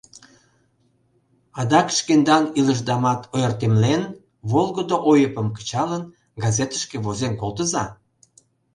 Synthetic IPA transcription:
ɑd̪ɑkʃkend̪ɑniləʒd̪ɑmɑt̪ʰojərt̪emlen | βolˠɣəd̪oʔojəpəmkə̥t͡ɕɑlən | ɡɑzet̪ə̥ʃkeβozemkolˠt̪əzɑ

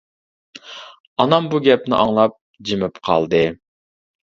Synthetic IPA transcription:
ɑnɑmbuɡʲɛp̚nɪ̰ʔɑŋlˠɑp̚ | d͡ʒɪmɪpqʰɑ̰lˠd̪ɨ

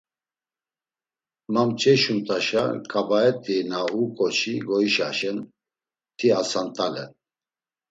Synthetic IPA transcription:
mamt͡ʃʼɛʃunt̪ʼaʃa̰kʼabaɛt̪ʼinaukʼɔt͡ʃʰiɡɔiʃa̰ʃɛn | t̪ʰiasant̪ʼalɛ̰

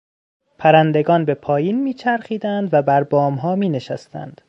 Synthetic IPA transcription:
pʰæɾænd̪e̞ɡɒːnbe̞pʰɒːjiːnmiːt͡ʃʰæɾxiːd̪ænd̪væbæɾbɒːmɦɒːmiːne̞ʃæst̪æ̰nd̪̥

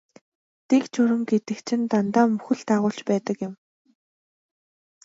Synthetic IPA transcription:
t̪ekt͡ɕʰʊɾɘ̆mɡet̪ɘ̆kt͡ɕʰɪ̆nt̪ant̪aːmɵxɘ̆ɮt̪aːʁʊːɮt͡ɕpæːt̪ə̆kjɪ̆m

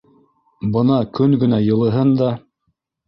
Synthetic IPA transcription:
bɤ̆nɑkɵŋɡɘ̆næjɤ̆lˠɤ̆ɦɤnd̪ɑ

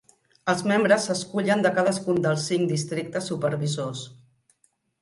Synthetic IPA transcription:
əlˠzmembɾəsəskuʎənd̪əkaðəskund̪əlˠsːiŋd̪ist̪ɾik̚t̪əsːupəɾβizos

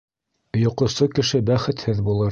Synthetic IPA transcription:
jŏqŏsokɘ̆ʃɘbæχɘ̆t̪hɘðbulˠɤɾ

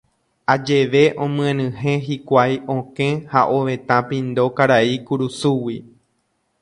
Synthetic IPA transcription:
ad͡ʒe̞ʋe̞ʔõmɨ̃ẽnɨ̃ɦẽ̞ɦikʷajõkẽhaʔoʋẽ̞t̪ãpĩnd̪o̞kaɾaikuɾusuwi

